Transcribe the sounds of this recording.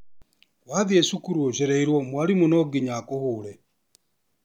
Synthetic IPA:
kwaðiɛsukuɾwoʃɛɾɛiɾwɔmwaɾimunɔɡiɲakohuːɾɛ

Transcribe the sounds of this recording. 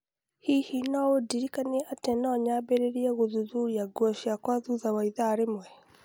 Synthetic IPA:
hihinaodiɾikaniɛʔatɛnɔɲabeɾeɾiɛɣoðuðuɾiaɡwɔʃakwaðuðawaiðaɾemwɛ

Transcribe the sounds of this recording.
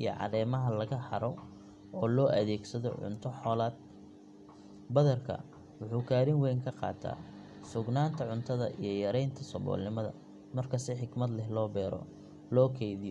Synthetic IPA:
ʔijɔ̰ʕɑ̰ðɛːmɐɦɐlɐɣɐhɐɾɔ | ɔːlɔːʔɐðɛːɡsɐðɔ̰ʕʊ̰nt̪ʰɔħɔːlaːd̪̚ | bɐðɐrkʰɐ̰ | wʊħuːkʰaːɾɪŋwɛjŋkʰɐqɑ̰ːt̪ʰa̰ː | sʊɡnaːnt̪ʰɐʕʊnt̪ʰɐðɐ̰ʔijɞjɐɾɛjnt̪ʰɐsɔbɔ̰ːlnɪmɐðɐ̰ | mɐrkʰɐsɪħɪɡmɐd̪lɛhlɔːbɛːɾɔ̰ | lɔːkʰɛjðɪjɔ

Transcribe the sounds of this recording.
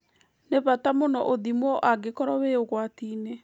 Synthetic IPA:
neβatamonɔʔoðimɔʔaɡekɔɾɔweoɣwatiːne

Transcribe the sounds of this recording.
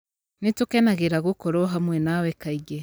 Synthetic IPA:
nitukenaɣiɾaɣukoɾoɦamwenawekaiɡe

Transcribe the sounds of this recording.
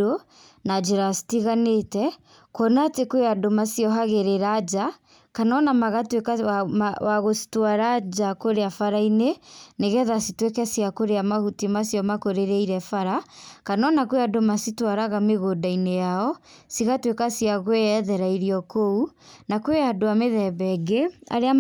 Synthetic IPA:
o | nad͡ʒeɾasi̥tiɣanetɛ | kwɔnatekoeadomasiɔɦaɣeɾeɾad͡ʒa | kanɔnamaɣatwekawaɣosi̥twaɾad͡ʒakoɾeafaɾaineneɣɛðasitwekɛsiakoɾeamahutimasijɔmakoɾeɾeiɾɛfaɾakanɔnakoeadomasitwaɾaɣameɣodainejaɔ | siɣatwekasiaɣoweɛðɛɾaiɾiɔkounakweadoameðɛbɛɡea̰ɾea

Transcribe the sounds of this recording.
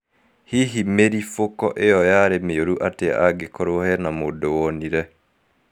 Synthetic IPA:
hiɦimeɾifokɔ̰ʔejɔjaɾemeoɾuʔatea̰ɡekoɾohɛnamodowɔniɾɛ

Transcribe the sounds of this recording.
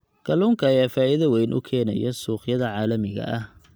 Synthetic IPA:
ɡ̥ʰɐluːŋkʰɐːjaːfaːiðɐwɛjnʔʊ̰kʰɛːnɐjɐsuːχjɐðɐʕɑːlɐmɪɣɐ̰ʔɐh

